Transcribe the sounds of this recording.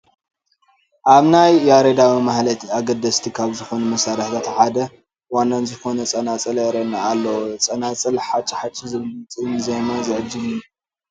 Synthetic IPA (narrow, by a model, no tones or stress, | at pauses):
ʔaβnajːaɾed̪awimahlɐt̪ʰaɡɐd̪ɐst̪ʰikʰaβzɨxo̞numɐsaɾɐħt̪ʰat̪ħad̪ɐ | wanːanzɨxo̞nɐt͡sʼɐnat͡sʼɨlɐɾɐnaalːɐwt͡sʼɐnat͡sʼɨlħat͡ʃʼːiħat͡ʃʼːizɨllɨt͡sʼɨnzɐjnɐzɨʕɨd͡ʒːɨmju